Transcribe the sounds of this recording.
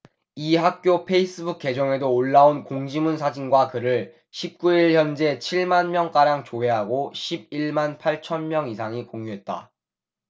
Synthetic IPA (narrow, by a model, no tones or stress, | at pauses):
iɦak̚k͈jopʰe̞is͈ɯbuk̚k͈ːe̞d͡ʑʌŋe̞doːɭːaonkoŋd͡ʑimunsʰad͡ʑinɡwakɯɾɯɭ | ɕʰip̚k͈uiɭçjʌnd͡ʑe̞t͡ɕʰiɭmanmjʌŋk͈aɾjaŋt͡ɕoe̞ɦaɡoɕʰib̚iɭmanpʰaɭt͡ɕʰʌnmjʌŋis̬ʰaŋikoŋjuɦe̞t̚t͈a̰